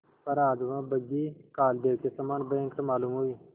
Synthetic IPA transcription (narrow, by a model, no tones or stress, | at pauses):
pəɾaːd̪ʋãːbəɡiːkaːld̪eːkesəmaːnbɛ̃ːŋkt̪omaːluːmɦoːiː